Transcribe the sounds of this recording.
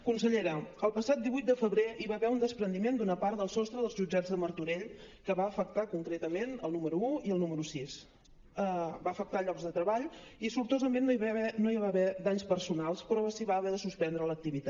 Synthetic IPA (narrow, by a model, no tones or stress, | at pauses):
kunsəʎeɾəəlˠpəsat̪̚d̪iβujt̪̚d̪əfəβɾeʔiβaβɛund̪əspɾənd̪imend̪unəpaɾt̪d̪əlˠsɔst̪ɾəðəlˠzʒud͡ʒazðəməɾt̪uɾeʎkəβaəfək̚t̪akuŋkɾet̪əmenəlˠnuməɾuuiəlˠnuməɾusis | əbaəfək̚t̪aʎɔkzðət̪ɾəβaʎisuɾt̪ozəmenːβɛnoiβaβɛd̪aɲspəɾsunalˠspɾɔəsiβaːβɛðəsuspɛnd̪ɾələk̚t̪iβit̪a